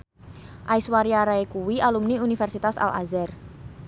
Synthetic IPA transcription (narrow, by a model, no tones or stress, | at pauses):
ʔaiswaɾiaɾaekuwiʔalumniunifɛrsit̪asa̰lʔa̰zɛr